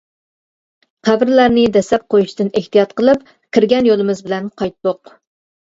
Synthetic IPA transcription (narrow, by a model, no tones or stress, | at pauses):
qʰæbɾlæɾnɪd̪ɛsɛp̚qʰojuʃd̪ɨneht̪ijɑt̪qəlˠɨp̚ | kʲʰiɾɡʲɛnjolˠɨmɪzbɪlɛnqʰɑjt̪ːoq̚